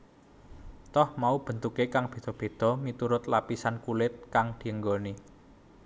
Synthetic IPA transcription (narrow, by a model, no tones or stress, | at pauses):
t̪ɔhmaub̥ə̤nt̪ukekaŋb̥e̤d̪̥ɔ̤b̥e̤d̪̥ɔ̤mit̪uɾʊt̪lapisankulɪt̪̚kaŋd̪̥i̤əŋɡoni